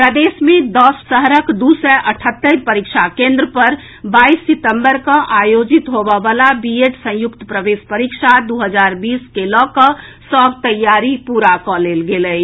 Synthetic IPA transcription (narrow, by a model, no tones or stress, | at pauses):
pɾəd̪esmed̪ɔsːəɦəɾəkd̪usɛʔəʈʰət̪ːəɾpəɾikt͡ʃʰakẽnd̪ɾəpəɾ | baisːit̪əmbəɾkə̃ʔajod͡ʒit̪ɦobəbalabieʈsə̃jukt̪əpɾəbespəɾikʃʰad̪uɦəd͡ʒaɾbiːskelɔkəsəbʱt̪əjːaɾipuɾakɔlelɡeləj